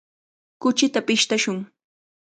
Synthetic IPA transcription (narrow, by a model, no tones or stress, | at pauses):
kʊt͡ʃɪt̪apɪʃt̪aʃʊŋ